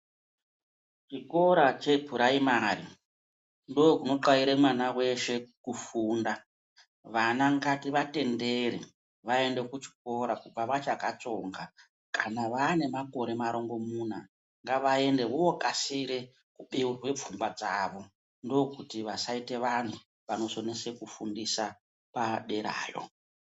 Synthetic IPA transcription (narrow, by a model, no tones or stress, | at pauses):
t͡ʃiko̞ɾat͡ʃe̞pʰuɾaimarḭ | ndokuno̞ǃwaiɾemwanawe̞ʃe̞kufuːnda | ʋanaŋɡatiʋate̞nde̞ɾḛ | ʋae̞nde̞kut͡ʃi̥ko̞ɾakub͡vaʋat͡ʃakat͡so̞ŋɡa | kanaʋaːne̞mako̞ɾe̞maɾo̞ŋɡo̞mun̤a | ŋɡaʋae̞nde̞wowokʼasiɾe | kuɓerwe̞p͡fumbwad͡zaːʋo̞ | ndo̞kutiʋasaite̞ʋan̤ʰu | ʋano̞sonese̞kufundisa | paɗe̞ɾa̰ːjo̞̰